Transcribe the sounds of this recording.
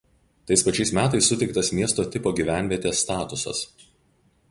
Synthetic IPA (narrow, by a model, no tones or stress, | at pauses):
t̪ɐɪspɐt͡ʃʲɛɪsmʲæːt̪ɐɪsːʊt̪ʲɛɪkt̪ɐsmʲiɛst̪oːt̪ʲɪpoːɡʲiːʋʲæˑnʲʋʲiɛt̪ʲeːsːt̪ɑːt̪ʊsɐ̰s